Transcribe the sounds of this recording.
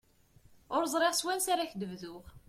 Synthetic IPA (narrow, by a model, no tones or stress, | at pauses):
ʊɾzˤɾˤeʁswænsaɾaçd̪əvðʊʁ